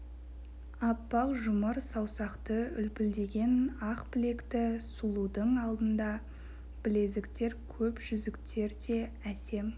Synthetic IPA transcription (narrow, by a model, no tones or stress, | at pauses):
ɑpːɑqʒʊməɾsɑwsɑqt̪əʏlpɪld̪e̞ɡʲe̞nɑqbɪle̞kt̪ɪsulˠud̪əɴɑlˠd̪ənd̪ɑ | b̥ɪle̞zɪkt̪e̞ɾkʲʰɵpʒʏzɪkt̪ʰe̞ɾd̪e̞ | æse̞m